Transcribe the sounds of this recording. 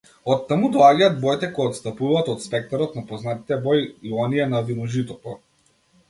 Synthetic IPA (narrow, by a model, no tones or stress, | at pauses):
ɔt̪ːamud̪ɔaɟaːd̪̚bɔjt̪ɛkɔjɔt̪st̪apuvaːt̪ɔt̪spɛk̚t̪aɾɔt̪napɔznat̪i̥t̪ɛbɔjiɔniɛnavinɔʒit̪ɔt̪ɔ